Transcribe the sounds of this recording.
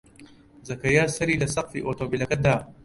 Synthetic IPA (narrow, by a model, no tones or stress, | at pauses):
zɐkɐjaːsɐɾiːlɐsɐqfiʔoːt̪oːbilɐkɐd̪aː